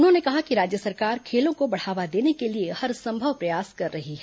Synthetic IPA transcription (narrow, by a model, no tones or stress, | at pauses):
ʊnɦõnekɐɦakiɾaːd͡ʒjəsɐɾkaːɾkʰeːlõkobɐɽ̤aːʋad̪eːnekeliehɐɾsɐ̃mbʱəʋpɾɐjaːskɐɾːɐɦiɦɛː